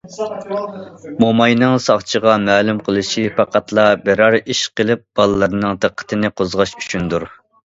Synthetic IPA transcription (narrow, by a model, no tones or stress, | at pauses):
momɑjnɨŋsɑχt͡ʃʰəʁɑmæːlumqʰəlˠɨʃipʰɑqɑt̪ʰlˠɑbɪɾɑɾiʃqəlˠɪp̚b̥ɑlˠɨlːˠɨɾnɨŋt̪əqʰːə̥t̪ʰɨnɪqʰozʁɑʃy̥t͡ʃʰynd̪uɾ